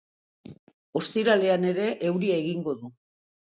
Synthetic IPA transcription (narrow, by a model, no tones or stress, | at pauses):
o̞st̪iɾale̞ane̞ɾe̞ʔewɾiae̞ɣiŋɡo̞ðu